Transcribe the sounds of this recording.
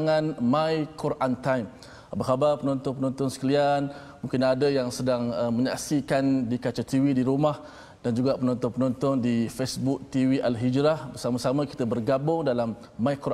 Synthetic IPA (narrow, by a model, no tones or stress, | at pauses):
ŋãnmãikuɾʔant̪ajm | abahabarpənɔnt̪ɔnpənɔnt̪ɔnsə̥kəlian | mũŋkɪnadəjaŋsədaŋəməɲaʔsikandikat͡ʃat̪iwidiɾumah | d̥and͡ʒuɡaʔpənɔnt̪ɔnpənɔnt̪ɔndifesbʊk̚t̪iwiʔalɦid͡ʒɾahbərsamasamãki̥t̪abərɡabʊŋdalamː | ãikuɾ